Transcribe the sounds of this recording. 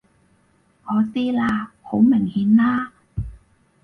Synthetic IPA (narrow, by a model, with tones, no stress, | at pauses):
ʔɔː˨˧˥t̪iː˥laː˧ho˨˥wmɪ˨˩ŋhiː˨˥nlaː˥